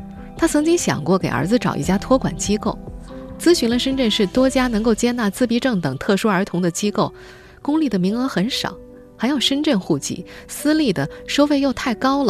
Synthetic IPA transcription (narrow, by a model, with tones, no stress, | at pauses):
t̪ʰa˥t͡sʰɤ˧˥ŋt͡ɕi˥ŋɕjɑ̰˨˩ŋkwɔ˥˩ke˨˩ɪə̰˞˧˥d͡zɹ̩˧ʈ͡ʂɑ˨˩ʊḭ˥˩t͡ɕja˥t̪ʰwɔ˥kwa̰˨˩nt͡ɕi˥ko˥˩ʊt͡sɹ̩˥ɕy˧˥nlə˧ʂə˥nʈ͡ʂə˥˧nʂɻ̩˥˩t̪wɔ˥t͡ɕja˥nɤ˧˥ŋko˥˩ʊt͡ɕjɛ˥na˥˧t͡sɹ̩˥˩pi˥ʈ͡ʂɤ˥˩ŋt̪ɤ˨˩ŋt̪ʰɤ˥˩ʂu˥ə˞˧˥t̪ʰʊ˧˥ŋd̪ə˧t͡ɕi˥ko˥˩ʊ | kʊ˥ŋli˥˩d̪ə˩mi˧˥ŋə˧˥xə˧˥nʂɑ̰˨˩˦ʊ | xa˧˥ɪjo˨˩ʊʂə˥nʈ͡ʂə˥˧nxu˥˩t͡ɕḭ˧˩sɹ̩˥li˥˩d̪ə˩ʂo˥fe˥˧ɪjo˥˧ʊt̪ʰa˥˩ɪkɑ˥ʊlə˨